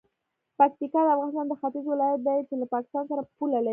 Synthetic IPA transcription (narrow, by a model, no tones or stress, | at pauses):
pak̚t̪ikɑd̪əafɣɑnɪst̪ɑnd̪əxat̪ɪzwɪlɑjat̪̚d̪ajit͡ʃelapɑkɪ̥st̪ɑnsaɾapulalai